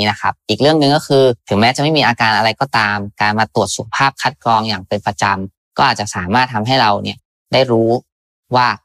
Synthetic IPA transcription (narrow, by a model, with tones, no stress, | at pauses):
na˦˥kʰa̰˦˥p̚ʔiː˨˩k̚ɾɯ˥˩əŋnɯ˧ŋkɔ˥˩kʰɯː˧t̪ʰɯ˩˦ŋmɛː˦˥t͡ɕa˨˩ma˥˩jmiː˧ʔaː˧kaː˧nʔa˧ɾa˧jkɔː˥˩t̪aː˧mkaː˧nmaː˧t̪u˨˩ət̪̚su˨˩˦ka˧˩pʰaː˥˩p̚kʰa˦˥t̪̚kɾɔː˧ŋjaː˨˩ŋpe˧npɾa˧t͡ɕa˧m | kɔː˥˩ʔaː˨˩t̪̚t͡ɕa˨˩saː˩˦maː˥˩t̪̚ʰa˧mɦa˥˩jɾa˧wni˥˩ə | daː˥˩jɾuː˦˥ | waː˥˩